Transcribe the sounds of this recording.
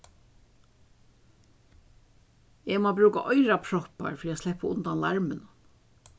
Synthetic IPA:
eɡmoːbɾʉːka̰ʔɔjɾapʰɾɔhpa̰ɹfɾiːaslɛhpaʊnt̪anlaɹmɪn

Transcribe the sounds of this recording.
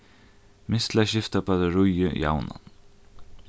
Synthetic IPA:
mɪst̪laɕɪft̪apaðɪɹʊjʏ̰ja̰wna̰n

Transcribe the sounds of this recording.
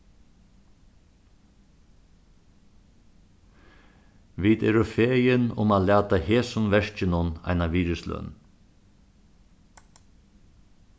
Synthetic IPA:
ʋiːd̪ɛ̰ːɾʊfeːjɪnʊ̰maːlæːt̪aheːsʊnʋɛʂt͡ʃɪnʊna̰jnaʋiːɾɪslœ̰n

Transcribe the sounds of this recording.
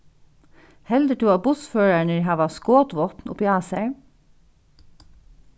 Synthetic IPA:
hɛld̪əʈʰʉːɑːbʊsføːɹæɳəɦɑːʋɑskoːt̪ʋɔt̪n̩ʊ̰piːɑːsæɹ

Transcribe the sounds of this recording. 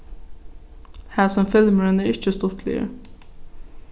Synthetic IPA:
hæːsɔmfɪlməɹənæːʁɪçəst̪ɔt̪ʰlɪ̰ə̰ɾ

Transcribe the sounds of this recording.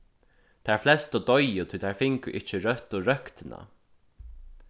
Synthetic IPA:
t̪ʰæɹflɛst̪ɔd̪ɔjʊt̪ʰujt̪ʰaɹfɪŋkʊ̰ʔɪht͡ʃɪɾœht̪ɔɹœkt̪ɪna̰

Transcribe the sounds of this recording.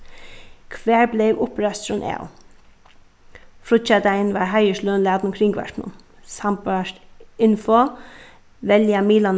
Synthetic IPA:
kʰʋæːɹblɛʋʊpɾɛst̪ɾʊnʔɛ̰ːʊ | fɾʊt͡ʃad̪aɪnʋaɹɦaɪəʃløːnlæːd̪nʊmkʰɾɪŋɡʋa̰ɹknʊ̰n | sampaʂt̪ɪnfɔ | ʋɛljamiːlan

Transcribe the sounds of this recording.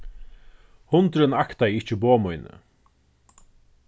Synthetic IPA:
hʊnt̪ɾɪnakt̪ajɪht͡ʃɪboːmɔjnə̰

